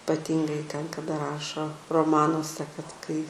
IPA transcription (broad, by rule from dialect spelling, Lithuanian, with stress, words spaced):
pɐˈtʲiːŋɡɐɪ tʲɛn kɐˈdɐ ˈrɑːʃoː roːˈmɑːnuɔsʲɛ kɐt ˈkɐɪ